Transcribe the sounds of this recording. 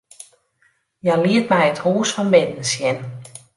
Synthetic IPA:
jaliətmɛjəthuːsfɔnbɪdn̩sjɛn

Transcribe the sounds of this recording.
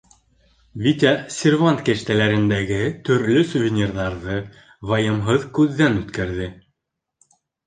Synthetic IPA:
vʲit̪ʲasʲɪrvant̪kæ̆ʃt̪ælæɾɘ̆nd̪æɡɘt̪ɵ̆ɾlɵsuvʲɪnʲirðɑɾðɤ | vɑjɤ̆mɦɤðkʉðːænʉt̪kæɾðɘ

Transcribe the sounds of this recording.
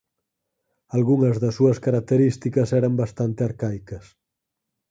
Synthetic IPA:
alɣuŋɐzðɐsuɐskaɾak̚t̪eɾist̪ikɐsɛɾɐmbast̪ant̪eaɾkajkɐs

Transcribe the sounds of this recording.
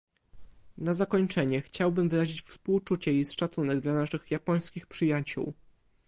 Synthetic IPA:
nazakɔɲt͡ʂɛɲɛxt͡ɕawbɘmvɘɾaʑit͡ɕfspuwt͡ʂut͡ɕɛisʂat̪sunɛɡd̪lanaʂɘxjapɔj̃skʲixpʂɘjat͡ɕṵw

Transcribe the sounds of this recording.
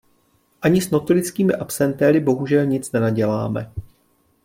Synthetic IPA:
ʔaɲɪsno̞t̪olɪt͡skiːmɪʔapsɛnt̪ɛɾɪbo̞ɦuʒɛlɲɪt͡snɛnaɟɛla̰ːmɛ̰

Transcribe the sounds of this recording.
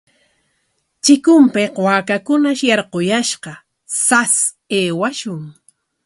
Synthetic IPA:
t͡ʃɪkʊmpeqwaːkakʊnaʃjɑɾqojaʃqɑ | sas | eːwaʃʊŋ

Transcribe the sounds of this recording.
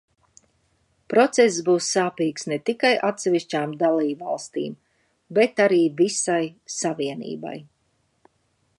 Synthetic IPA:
pɾɔt̪sɛszbuːsːaːpiːksnɛt̪ikajʔat̪sɛviʃt͡ʃaːmd̪alˠiːbva̰lˠst̪ḭːm | bɛt̪aɾiːvisajsaviɛnḭːba̰j

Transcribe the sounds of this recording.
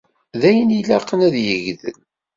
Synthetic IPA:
ðæjənilæqːənæðjəʝðə̰l

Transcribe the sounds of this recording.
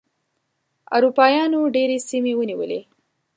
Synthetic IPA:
a̰ɾupɑjɑnoɖeɾesimewəniwəlḛ

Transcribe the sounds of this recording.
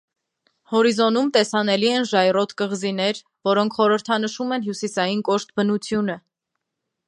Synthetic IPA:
hɔɾizɔnumt̪ɛsɑnɛliɛnʒɑjrɔt̪ʰkəʁzinɛɾ | vɔɾɔŋkʰχɔɾəɾt̪ʰɑnəʃumɛnɦjusisɑjinkɔʃt̪̚bənut͡sʰjunə

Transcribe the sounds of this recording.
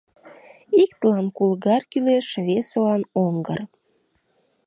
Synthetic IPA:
ikt̪əlɑnkulɣɑrkyleʃβesolɑnoŋɡə̰r

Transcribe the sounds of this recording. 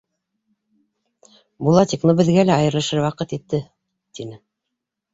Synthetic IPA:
bulˠɑt̪ʲeknobɘ̆ðɡælæɑjɤ̆ɾlˠɤʃɤɾwɑqɤt̪it̪ːɘ | t̪inɘ

